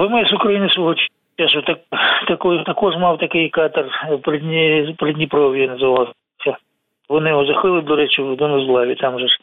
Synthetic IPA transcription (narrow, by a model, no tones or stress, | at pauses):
ʋɪmɪsʊkɾɐjinɪsʋɔɦɔt͡ʃʲ | aʃot̪ɐkt̪ɐkɔjt̪ɐkɔʒmɑwt̪ɐkɪjkɑt̪ɐrpɾɪd̪ʲnʲpɾɪdʲnʲipɾɔʋʲijinɐzɪʋalˠɐs | sʲɐ | ʋɔnɪjɔɦɔzɐxɪlˠɪd̪ɔɾɛt͡ʃɪwd̪ɔnɔzlˠɑʋʲit̪ɑmʒɛ